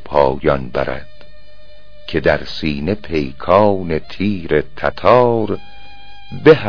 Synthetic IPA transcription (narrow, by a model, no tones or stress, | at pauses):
pʰɒːjɒnbæɾæ̰d̪̥ | cʰe̞d̪æɾsiːne̞pʰe̞jkʰɒːnet̪ʰiːɾet̪ʰæt̪ʰɒːɾ | behæ